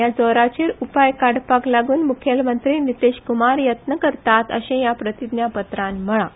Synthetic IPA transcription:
jad͡zɔɾat͡ɕiːɾupajkaɽpaklaɡuːnmukʰjəlmənt̪ɾinit̪eɕkumaɾjət̪nəkəɾt̪at̪ə̰ɕẽjapɾət̪id̪njapət̪ɾãnm̤əɭa

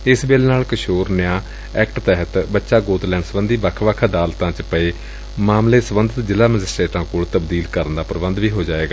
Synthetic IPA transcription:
ɪsbeːleːnaːlkəʃoːɾnɪjãː | ɛːkʈt̪ɛɦət̪bətːʃaːɡoːt̪lɛ̃ːɳɖsəbənd̪iːbaːkʰʋaːkʰaːd̪aːlt̪ãːt͡ʃpəeː | maːmleːsəbənd̪ət̪d͡ʒɪlaːməd͡ʒɪsʈɾeːʈãːkoːɭt̪əbd̪iːlkəɾənd̪aːpəɾəbənd̪ʋiːɦoːd͡ʒaːeːɡaː

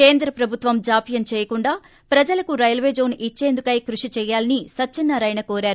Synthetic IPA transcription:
keːnd̪ɾɐpɾɐbʱut̪ʋɐmd͡ʒaːpijɐnt͡ʃɛːjɐkuɳɖaː | pɾɐd͡ʒɐlɐkuɾɐjɐlʋeːd͡ʒo̞ːnit͡ʃːe̞ːnd̪ukɐjkɾuʂit͡ʃɛːjːaːlɐnisɐt͡ʃːinːɐɾɐjnɐkoːɾaːɾu

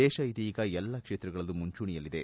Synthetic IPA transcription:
ɛːʃɐit̪iːɡɐɛlːɐkʂeːt̪ɾɐɡɐɭɐlːumuɲt͡ʃuːɳijɐlːid̪e̞

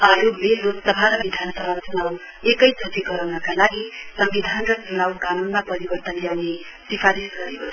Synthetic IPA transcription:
ajomelːot̪ʌbʱaɾʌbid̪ʱansʌɾatunaw | ekʌjt͡sʰʌt̪iɡʌɾawnʌkalaɡisʌmbid̪ʱanrʌd͡zunawɡamunmapʌɾibʌrt̪ʌnljawne | sipʰaɾisɡʌɾi

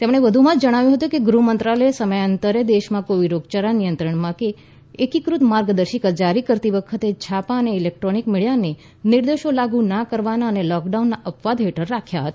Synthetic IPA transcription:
t̪emɽ̃eʋəd̪ʱumãd͡ʒd͡ʒəɽ̃aʋjũɦət̪ukeɡɾumənt̪ɾaləesəməjənt̪əɾed̪eʃmãkoʋiɾoɡt͡ʃaɾanijənt̪ɾəɳmãkeː | kikɾut̪maɾɡd̪əɾʃikəɾd͡ʒaɾikəɾt̪iʋəkʰət̪et͡ʃʰapaəneɪlek̚ʈɾonikmɪɭjane | niɾd̪eʃolaɡũnakəɾʋanaənelɔkɖaunːaʔəpʋad̪ɦeʈəɾːakʰjaɦət̪a

